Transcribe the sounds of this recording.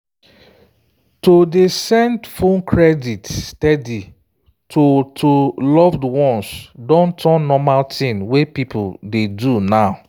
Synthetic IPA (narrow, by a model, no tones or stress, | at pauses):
todesɛ̃ndfõnkʰɹɛditstɛdi | tʰotʰolɔvdwɔ̃nsdɔ̃ntʰɔnːɔmaltĩnwepipʰudedunaʊ